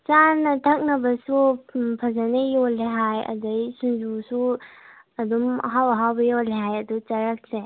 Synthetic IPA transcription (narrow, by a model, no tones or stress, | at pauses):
t͡ʃanɐtʰak̚nɐbɐsupʰɐzɐnejoleɦajɐ̰dɐjsund͡ʒusu | ɐdumɐ̰ɦawɐɦawbɐjoleɦajɐdut͡ʃɐɾak̚se